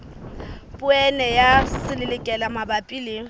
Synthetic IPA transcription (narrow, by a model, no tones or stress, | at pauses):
pʼʊɛnɛjasɪlɪlɪkʼɛlamabapʼilɪ